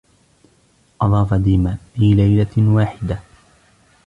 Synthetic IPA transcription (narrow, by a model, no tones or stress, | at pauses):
ʔɑðˤɑːfad̪iːmaliːlajlawaːħɪd̪a